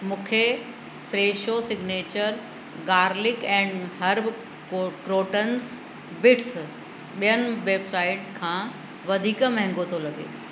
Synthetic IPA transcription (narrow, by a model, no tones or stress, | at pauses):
mũːkʰe | fɾeːʃosɪɡneːt͡ɕəɾ | ɡaːɾlɪkɛ̃ːɳɖɦɐɾb | kɾoːʈəns | bɪʈs | ɓijənɪ̆ʋeːbsaːɪʈkʰãː | ʋɐd̪ʱiːkmɐ̃ɦɪ̃ŋɡot̪ʰolɐɡḛː